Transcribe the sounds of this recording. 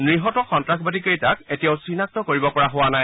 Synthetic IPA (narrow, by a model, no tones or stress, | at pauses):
nɹiɦɔtɔxɔntɹakʰbadikejtaketijaʊsinak̚tɔkoɹibɔpɔɹaɦʊwanaj